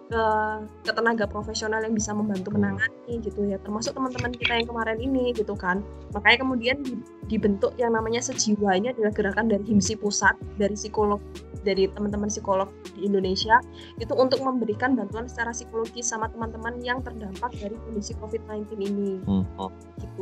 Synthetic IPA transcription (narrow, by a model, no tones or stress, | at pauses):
kəkət̪ənaɡapɾofesionaljaŋbisaməmbant̪umənaŋaniɡit̪ujat̪ərmasʊk̚t̪əmant̪əmankit̪ajaŋkəmaɾɛniniɡit̪ukan | makaɲakəmudiandi | dibənt̪ʊkjaŋnamaɲasəd͡ʒiwaɲadilaɡ̥əɾakandaɾiɦimsipusat̪̚daɾisikolɔk̚daɾit̪əmant̪əmansikolɔk̚diːndonesia | it̪uːnt̪ʊk̚məmbəɾikanbant̪uansə̥t͡ʃaɾasikoloɡɪsamat̪əmant̪əmanjaŋt̪ərdampak̚daɾikondisikofɪt̪̚najnt̪ɪnini | ɡ̥it̪u